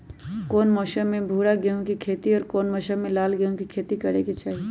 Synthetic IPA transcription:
koːnmɔːʃəmːẽbʱuːɽaɡeõkikʰeːt̪iɔːɾkoːnmɔːʃəmːẽlaːlɡeõkikʰeːt̪ikɐɽeket͡ʃaːɦi

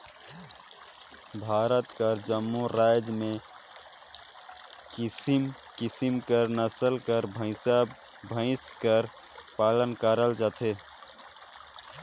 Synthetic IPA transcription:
bʱaɾət̪kəɾd͡ʒəmːuɾad͡ʒmẽ | kisim | kisimkəɾnəsəlkəɾbʱə̃ɪ̃sabʱə̃ɪ̃skəɾ | palənkəɾəld͡ʒat̪ʰe

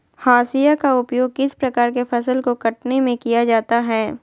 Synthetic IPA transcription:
haːsijakaʊpjoːɡ̚kɪspɾɐkaːɾkefɐsəlkokɐʈnemẽkijad͡ʒaːt̪aɦɛː

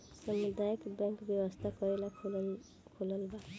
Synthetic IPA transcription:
sʌmid̪ajʌkbjaŋkbjʌwʌst̪ʰakʌɾelakʰu | kʰulʌlba

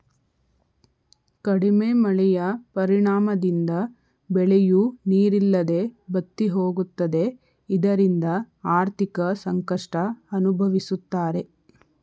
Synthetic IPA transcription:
kɐɽimemɐɭɛjɐpɐɾiɳaːmɐd̪ind̪ɐ | bɛɭejuniːɾilːɐd̪e̞bɐt̪ːiɦoːɡut̪ːɐd̪e̞ | id̪ɐɾind̪ɐ | aːɾt̪ʰikɐsɐŋkɐʂʈɐɐnubʱɐʋisut̪ːaːɾe̞

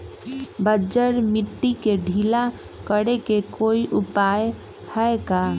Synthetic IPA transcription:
bəd͡ʒəɾmiʈːikeɖʱila | kəɽekekoiʔupaj | həeka

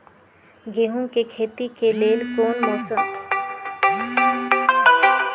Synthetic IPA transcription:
ɡeɦũkekʰeːt̪ikeleːlkoːnmɔːsəm

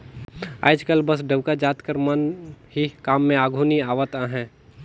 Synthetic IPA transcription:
a̰ːd͡ʒkəlbəs̬ɖeʋkad͡ʒaːt̪kəɾmənɦikaːmːẽaːɡʱuniaːʋət̪ãɦɛ̃ː

